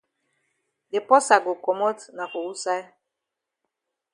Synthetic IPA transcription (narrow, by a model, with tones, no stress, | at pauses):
dɪ˨pɔ˦sa˨ɡʊ˨kɔ˨mɔ˦tna˨kʊ˨wu˦sa˦